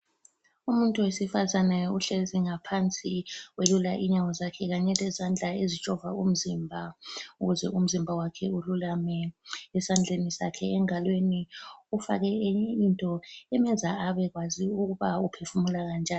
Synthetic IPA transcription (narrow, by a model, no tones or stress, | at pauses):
umuntʼuwesifazanɛuɬeziŋapʰant͡sʼiwelula̰ʔiɲawɔzakʰɛɣaɲɛlɛzand͡ɮʱaezit͡ʃʼɔvaum̩zimbʱauɣuzɛum̩zimbʱawakʰɛululamɛɛsand͡ɮʱenisa̰kʰɛɛŋalweniufa̰ɣɛintʼɔɛmɛzaaβɛɣwaziuɣuβaupʰefumulaɣand͡ʒʱaː